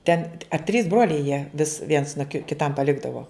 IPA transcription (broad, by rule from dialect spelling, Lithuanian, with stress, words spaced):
ˈtʲɛn ɐ tʲrʲiːs ˈbroːlʲɛɪ jiɛ ʋʲɪs ʋʲiɛns noː kʲɪ kʲɪˈtɐm pɐˈlʲɪɡdɐʋoː